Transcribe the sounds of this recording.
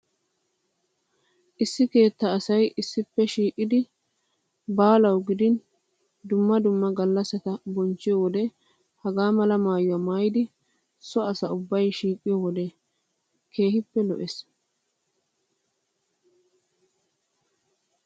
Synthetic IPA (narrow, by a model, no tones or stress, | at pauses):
ʔɪsːɪke̞ːt̪ːɐːsɐjʔɪsːɪpːɛʃiːkʼːɪd̪ɪ | baːlɐwɡɪd̪ɪn | d̪ʊmːɐd̪ʊmːɐɡɐlːɐsɐt̪ɐbɔnt͡ʃːɪjɔwɔd̪ɛ | hɐɡaːmɐlɐmaːjʊwɐmaːjɪd̪ɪ | sɔɐsɐʊbːɐjʃiːkʼːɪjɔwɔd̪ɛ | kʰe̞ːhɪpːɛlɔ̰ʔɛs